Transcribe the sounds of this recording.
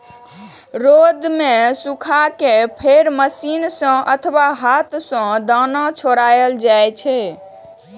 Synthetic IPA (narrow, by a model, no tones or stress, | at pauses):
ɾod̪mesukʰakepʰeɾməsinsə̃ʔət̪ʰwaɦat̪sə̃d̪anat͡ʃʰoɾajəld͡ʒajt͡ʃʰɛ